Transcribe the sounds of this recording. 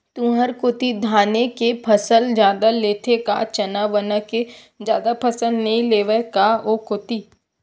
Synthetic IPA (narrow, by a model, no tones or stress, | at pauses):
t̪ũːɦəɾkot̪id̪ʱaːnekepʰəsəld͡ʒjaːd̪aleːt̪ʰeka̰t͡ʃɐnaʋənəke | d͡ʒjaːd̪apʰɐsəld̪nɐɦĩleːʋəkaokʊt̪i